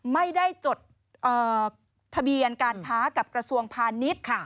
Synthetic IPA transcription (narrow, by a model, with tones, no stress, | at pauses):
ma˥˩jda˥˩jt͡ɕo˨˩t̪̚ | ʔɤː˨˩ | t̪ʰːa˧bi˧ənkaː˧nkʰaː˦˥ka˨˩p̚kɾa˧su˧əŋpʰaː˧ni˦˥t̪̚kʰ